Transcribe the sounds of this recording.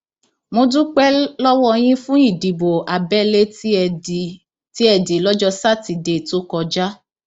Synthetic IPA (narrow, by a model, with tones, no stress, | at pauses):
mo˧dũ˦k͡pɛ˦lɔ˦wɔ˦˧j̃ĩ˦fũ˦i˦˨di˨bo˨ʔa˨bɛ˦le˦˨ | ti˦ɛ˧di˨lɔ˦d͡ʒɔ˦sa˦˨ti˧de˧˨to˦kɔ˧d͡ʒa˦